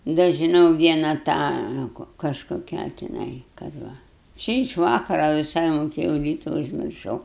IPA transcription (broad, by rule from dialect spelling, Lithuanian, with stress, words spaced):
dɐ ʒʲɪˈnɐʊ ˈʋʲiɛnɐ ˈtɑː kɐʃkoːˈkʲæː tʲɪˈnɐɪ kɐt ˈʋɐ ˈt͡ʃʲɪ ɪʃ ˈʋɑːkɐrɐ ʋʲɪˈsɐɪ moːˈkʲeːjɛʊ ˈrʲiːtɐ ʊʒʲmʲɪrˈʃɐʊ